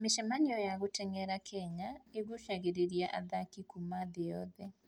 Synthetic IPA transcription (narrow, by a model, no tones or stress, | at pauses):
meʃɛmanijɔjaɣotɛŋɛɾakʰɛɲaeɣuʃaɣeɾeɾiaʔa̰ðakikumaðejɔðɛ